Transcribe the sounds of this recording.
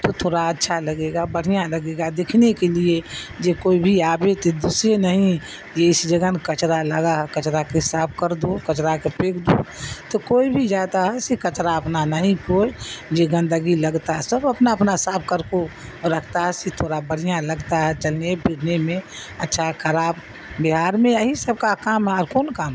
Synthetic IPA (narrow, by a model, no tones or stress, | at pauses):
t̪ot̪ʰoːɾaətːʃʰaləɡeɡabəɽ̤ijãləɡeːɡad̪eːkʰnekelied͡ʒekoːibʱiaːbet̪ed̪usɾenəɦĩ | jeɪsd͡ʒəɡənkət͡ʃɾaləɡaɦɛkət͡ʃɾakesaːp̚ʰkəɾd̪okət͡ʃɾakepeːkʰd̪ut̪okoːibʱid͡ʒaːt̪aɦɛsekət͡ʃɾaəpnanəɦĩkoːid͡ʒeɡə̃nd̪əɡiləɡt̪aɦɛsəbəpnaɐpnasaːp̚kəɾkoɾəkʰt̪aɦɛset̪ʰoːɾabəɽijãləɡt̪aɦɛt͡ʃəlnebʱɪɾnemẽɐtːʃʰaɦkʰəɾaːb | bɪɦaːɾmẽaɦisəb̚kakaːmɦɛɔːɾkoːnkaːmɛ